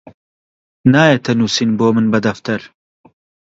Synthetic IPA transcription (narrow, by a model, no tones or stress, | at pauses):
naːjet̪ʰɐnuːsinboːmɨnbɐd̪ɐft̪ɐɾ